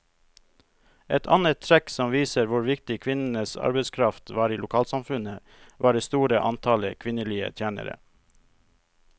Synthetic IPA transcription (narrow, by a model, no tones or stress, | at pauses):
ʔɛt̪ʰɑ̰nət̪ʰɾɛksɔmʋiːsəɾʋʊɾʋɪkt̪ɪkʰʋɪnn̩əsɑ̰ɾbəskʰɾɑft̪ʋɑːɾiːlʊkʰɑːlsɑmfʉnə | ʋʔɑːɖeːst̪uːɾəʔɑnt̪ʰɑləkʰʋɪnəliːə̰t̪ʰjæːnə̰ɾə̰